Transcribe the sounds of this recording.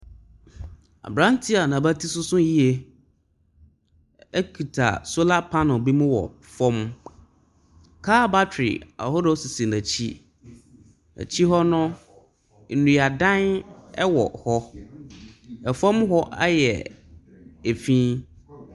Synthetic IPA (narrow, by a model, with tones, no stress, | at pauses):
a̰˨bɾã˦n˦tʰi˦a˨nã˨ba˦tʰi˦sʊ˦sʊ̃˦ji˦e˨ | ɛ˦kʰu˨tʰa̰˨so˦la˦pʰa˦nɔ̃˨bi˦mʊ̃˦wɔ̰˨ | fɔ̃˦m | kʰaː˦ba˦tʰᶣɾɪ̰˨a̰˨hɔ˦do˦si˨si˨nã˨t͡ɕʰi˦ | na̰˨t͡ɕʰi˦ɦɔ˦nʊ̃˦ | n̩˨nũ˨a˨dã˦nɛ˦wɔ̰˨hɔ˦ | ɛ˨fɔ̃˦mɦɔ˦ʔa̰˦jɛ̰˨ | e˨fĩː˦